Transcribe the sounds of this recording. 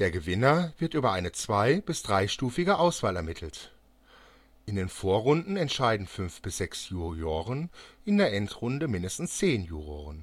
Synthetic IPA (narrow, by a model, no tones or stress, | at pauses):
d̥eːɐɡəvɪnɐvɪɐtyːbɐʔaɪnət͡sv̥aɪbɪsd̥ʁaɪʃtuːfɪɡəʔaʊsv̥aːlɛɐmɪtʰl̩t | ʔɪndeːnfoːɐʁʊndn̩ɛntʃaɪdn̩fʏnfb̥ɪsz̥ɛksjuːjoːʁənʔɪndeːɐʔɛntʁ̥ʊndəmɪndəstn̩st͡seːnjuːʁoːʁən